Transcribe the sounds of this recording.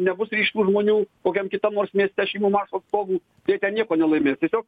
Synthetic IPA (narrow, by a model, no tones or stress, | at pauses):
nʲɛbʊsɾʲiːʃʲt̪uːʒmoːnʲuːkoːkʲɛmkʲɪt̪ɐmnoːrsmʲiɛsʲt̪ʲɛʃʲiɪmʲuːmɑːʃoːt̪st̪oːɡuː | t̪ɐɪjɛt̪ʲɛnnʲiɛkoːnʲɛlˠɐɪmʲeːst̪ʲiɛsʲoːk̚